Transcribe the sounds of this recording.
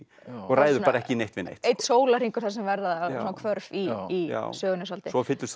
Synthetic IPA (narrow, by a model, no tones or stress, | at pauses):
ɔɣraːjðʏpaːɾaɛhcɪneht̪vɪ̰ðnḛht̪ejt̪soːwlar̥iŋkʏɾ̥θaɾs̬ɛmvɛɾðaðsunakʰvœɾviːa̰sœːɣʏnʏsalt̪ɪsɔfɪt̪lʏs